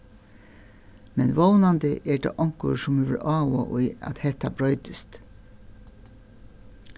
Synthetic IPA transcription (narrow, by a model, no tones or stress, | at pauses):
mɛnʋoʊnɑnd̪əʔeːɖḛːʔɑŋkʊ̰ɾsɔmyːʋɪlʔɑːʋo̰ʔoiɑ̰t̪hɛt̪ɑbɹœʏd̪əst̪